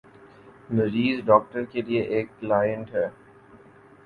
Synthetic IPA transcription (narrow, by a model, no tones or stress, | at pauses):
nəɾiːzɖɔːk̚ʈəɾkelieʔeːkːlaːjə̃ɳʈɦɛː